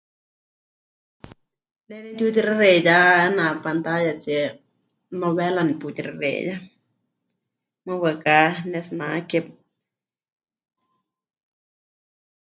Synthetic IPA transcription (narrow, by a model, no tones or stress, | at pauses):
lenet̪ut̪iɾaɾejaanapant̪ajat͡ʃe | noβɛlaniput̪iɾaɾḛja | mawəkanesnakep̚